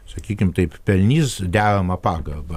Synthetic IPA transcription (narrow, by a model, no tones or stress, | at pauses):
sɐkʲiːkʲɪmt̪ɐɪppʲɛlʲnʲiːsd̪ʲæːɾɐmɐpɑːɡɐrbɐ